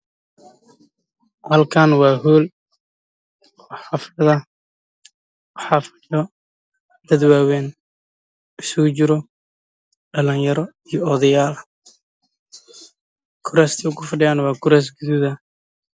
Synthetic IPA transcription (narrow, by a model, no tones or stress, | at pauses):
hɐlkʰaːnwɑːɦuːl | wɑħɑfɐðɐ | wɑħɑːfɐ̥jɔ | d̪̥ɐd̪waːwɛːn | ɪsʊɣʊt͡ʃɪɾɔ | ɖɐlɪnjɐɾɔ | ijɔɔðɐjaːl | kʰʊɾaːst̪ʰiʊɡʊfɐɖɪjaːnwɑːɡʰʊɾɛːs̬ɡʊðuðɐ